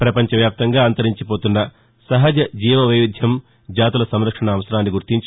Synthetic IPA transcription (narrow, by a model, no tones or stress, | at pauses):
pɾɐpɐɲt͡ʃɐʋjaːp̚t̪ɐŋɡaːɐnt̪ɐɾiɲt͡ʃipoːt̪unːɐ | sɐɦɐd͡ʒɐd͡ʒiːʋɐʋɐʋid̪ʱjɐm | d͡ʒaːt̪ulɐsɐmɾɐkʂɐɳɐːʋɐsɐɾaːnːiɡuɾt̪iɲt͡ʃ